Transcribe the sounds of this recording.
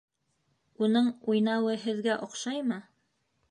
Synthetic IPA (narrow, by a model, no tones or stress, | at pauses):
unɤɴujnɑwɤɦɘ̆ðɡæʔŏqʃɑjmɤ